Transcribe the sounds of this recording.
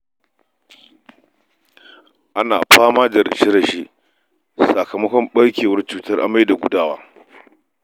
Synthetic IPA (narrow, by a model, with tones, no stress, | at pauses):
ʔa˦naː˨ɸaː˦maː˦da˨ɾɐ̰˨ʃi˦ɾɐ˨ʃi˦ʔ | sa˨kɐ˨mɐ˦kʷɔ˦mɓɐ˦ɽkʲeː˨wɐ˦rt͡ʃuː˦˨tɐ˦rʔa̰˦mːa˦jda˨ɡʷʊ˦daː˦waː˦